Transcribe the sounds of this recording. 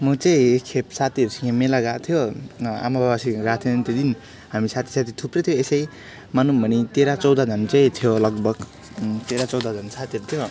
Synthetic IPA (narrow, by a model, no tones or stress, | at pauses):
mʌt͡saĩekʰːepsat̪iʌɾut͡sʰiẽmelaɡat̪ʰjoa̰mabʱabasiɡat̪ʰont̪od̪in | hamisat̪ʰi̥sat̪ʰit̪ʰuprʌt̪ʰjoesʌj | manumbʱʌnit̪eɾat͡sʌwd̪ad͡z̪ʱʌnt͡sãĩt̪ʰjolʌɡbʱʌɡ | t̪eɾat͡sʌwd̪ad̪ʱʌnsat̪iʌɾut̪ʰjo